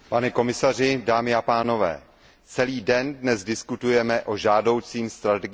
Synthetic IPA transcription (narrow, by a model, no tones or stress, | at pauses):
panɛko̞mɪsar̝ɪdaːmɪapaːno̞vɛ̰ː | t͡sɛliːdɛndnɛzdɪskut̪ujɛmɛʔo̞ʒaːdo̞wt͡siːmst̪ɾat̪ɛɡ